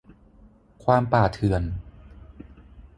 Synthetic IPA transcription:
kʰwaː˧mpaː˨˩t̪ʰɯ˨˩ən

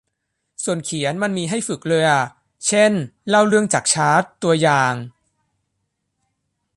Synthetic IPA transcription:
su˨˩ənkʰi˨˩˦ə˦nma˧nmiː˧ɦa˥˩jfɯ˨˩k̚lɤː˧jʔa˨˩ | t͡ɕʰe˥˩nla˥˩wɾɯ˥˩əŋt͡ɕaː˨˩k̚t͡ɕʰaː˦˥t̪ːu˧ɐjaː˨˩ŋ

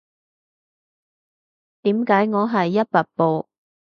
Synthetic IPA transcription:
t̪iː˨˥mkaː˨˥jŋɔː˨˧ɦɐ˨jːɐ˥t̚pɐ˨˩t̚po˨˧w

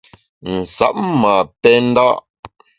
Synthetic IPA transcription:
n̩˨sa̰˨p̚ma˨pɛ˦n̩˦da˦ʔ

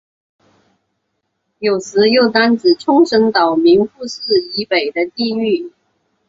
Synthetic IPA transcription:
jo˨˩ʊsɹ̩˧˥jo˥˩ʊt̪a˥nt͡sɹ̩˨˩ʈ͡ʂʰʊ˥ŋʂə˧˥ŋt̪ɑ˨˩ʊmi˧˥ŋfu˥˧sɹ̩˥˩i˧˥pe˨˩ɪd̪ə˦t̪i˥˧y˥˩

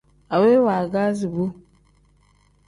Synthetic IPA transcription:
a˨we˦wa˨ɡa˦zi˨bu˦

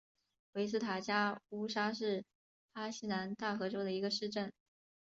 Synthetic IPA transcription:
we˧˥ɪs̬̩˥t̪ʰa˨˩t͡ɕja˥u˥ʂa˥ʂɻ̩˥˩ | a˥ɕi˥na˧˥nt̪a˥˩xɤ˧˥ʈ͡ʂo˥ʊd̪ə˨i˧˥ɡə˧ʂɻ̩˥˧ʈ͡ʂə˥˩n

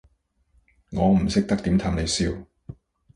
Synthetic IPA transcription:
ŋɔː˨˧m̩˨˩sɪ˥k̚t̪ɐ˥k̚t̪iː˨˥mt̪ʰaː˧mne˨˧jsiː˧w

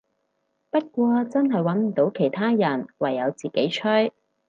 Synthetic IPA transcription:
pɐ˥t̚kʷɔː˧t͡sɐ˥nɦɐ˨jwɐ˨˥nm̩˨˩t̪o˨˥wkʰe˨˩jt̪ʰaː˥jɐ˨˩nwɐ˨˩jːɐ˨˧wt͡siː˨˩ke˨˥jt͡ʃʰœ˥j

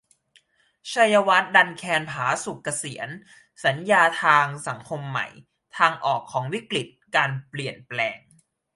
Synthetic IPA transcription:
t͡ɕʰa˧ja˧wa˦˥t̪̚da˧nkʰɛː˧npʰaː˩˦su˨˩kːa˧si˩˦ən | sa˩˦njaː˧t̪ʰaː˧ŋsa˩˦ŋkʰo˧mːa̰˨˩j | t̪ʰaː˧ŋʔɔː˨˩kʰːɔː˩˦ŋwi˦˥kli˨˩t̪̚kaː˧npli˨˩ənplɛː˧ŋ

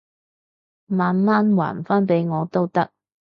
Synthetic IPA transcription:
maː˨nmaː˥nwa̰ː˨˩nfaː˥npe˨˥jŋɔː˨˧t̪o˥wt̪ɐ˥k̚

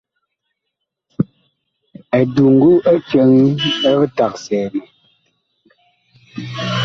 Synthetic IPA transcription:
ɛ˨du˨ŋ̩˨ɡu˦ə˦t͡ʃə˨˦ŋi˦ə˦ɣɨ˦ta˨k̚sɛː˨li˨

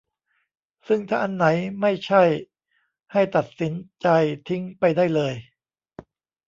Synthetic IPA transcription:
sɯ˥˩ŋt̪ʰaː˥˩ʔa˧nːa˩˦jma˥˩jt͡ɕʰa˥˩j | ha˥˩jt̪a˨˩t̪̚si˩˦nt͡ɕa˧jt̪ʰi˦˥ŋpa˧jda˥˩jlɤː˧j

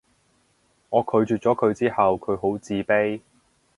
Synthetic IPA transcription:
ŋɔː˨˧kʰɵ˨˧ɥt͡ʃyː˨t̚t͡ʃɔː˨˥kʰɵ˨˧ɥt͡siː˥hɐ˨wkʰɵ˨˧ɥɦo˨˥wt͡siː˧pe˥j

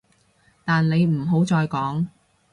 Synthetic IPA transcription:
t̪aː˨nle˨˧jm̩˨˩ɦo˨˥wt͡sɔː˧jkɔː˨˥ŋ

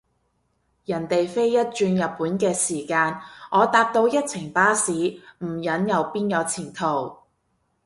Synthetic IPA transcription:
jɐ˨˩nt̪e˨jfe˥jːɐ˥t̚t͡ʃyː˧njɐ˨t̚pːuː˨˥nkɛː˧siː˨˩kaː˧nʔɔː˨˧t̪aː˧p̚t̪o˧wjɐ˥t̚t͡sʰɪ˨˩ŋpaː˥siː˨˥m̩˨˩jɐ˨˥njɐ˨˧wpiː˥njɐ˨˧˥t͡sʰiː˨˩nt̪ʰo˨˩w

